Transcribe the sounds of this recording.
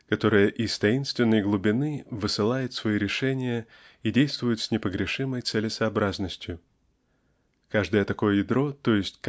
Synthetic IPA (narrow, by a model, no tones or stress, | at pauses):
kɐt̪o̞ɾɨjəʔɪst̪ɐinst̪vʲɪnːəjɡlˠʊbʲɪnɨvɨsɨlˠajɪt̪svɐiɾʲɪʂɛnʲɪjə | idʲejst̪vʊjʊt̪sʲnʲɪpəɡɾʲɪʂɨməjt̪sɛlʲɪsɐɐbɾaznəsʲtʲjʊ | kaʐd̪əjət̪ɐko̞jəjɪd̪ɾo̞t̪o̞jɪsʲtʲk